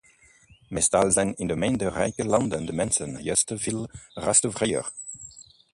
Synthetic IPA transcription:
mɛstalˠzɛjnɪndəmendərɛ̰jkəlɑndəndəmɛnsənjœstəv̥ilrastofreə̰r

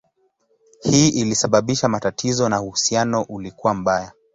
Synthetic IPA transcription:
hiːʔilisaɓaɓiʃamatatʰizɔnahuhusianɔʔulikuwam̩ɓaja

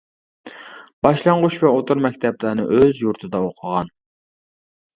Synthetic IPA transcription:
b̥ɑʃlˠɑɴʁʊʃvɛot̪ʰʊɾmɛkʲt̪ʰɛplənɨ̰ʔøzjuɾt̪ʰɨd̪ɑoqʰəʁɑn

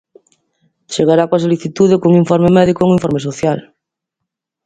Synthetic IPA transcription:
t͡ʃeɣaɾakwas̬oliθit̪uðekoŋiɱfoɾmemɛðikoŋiɱfoɾmes̬oθjal

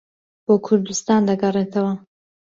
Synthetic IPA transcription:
b̥oːkʰʊɾd̪ust̪ɑːnd̪ɐɡɐreːt̪ʰɐwɐ

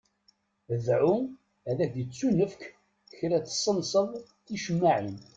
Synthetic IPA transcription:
əðʕu | æðæd̪ət͡sːunəfk | çɾæt͡sːsˤːənsˤəðˤ | θiʃəmːaʕin

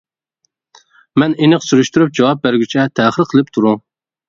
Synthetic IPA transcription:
mɛnenɨqsyɾyʃt̪yɾyp̚d͡ʒɑwɑp̚bæɾɡʲyt͡ʃʰɛt̪ʰɛχəɾqʰəlˠɪp̚t̪ʰuɾu

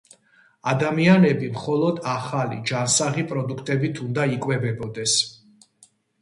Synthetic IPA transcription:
ad̪amianɛbimχɔlˠɔd̪aχalḭd͡ʒansaʁipʼɾɔd̪ukʰt̪ʼɛbit̪ʰund̪aikʼwɛbɛbɔd̪ɛs

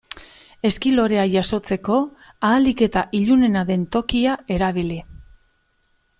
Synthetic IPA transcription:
e̞skilo̞ɾe̞aʝaso̞t͡se̞ko̞ | aːlike̞t̪aʔiʎune̞naðe̞nt̪o̞kiae̞ɾaβ̞ili

